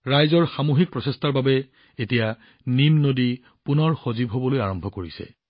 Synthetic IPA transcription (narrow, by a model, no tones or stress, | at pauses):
ɹajzɔɹxamuɦik̚pɹɔsɛstaɹbabɛ | etija | nimnodi | punɔɹxozibɦobɔlojaɹɔmbʱɔkoɹisɛ̰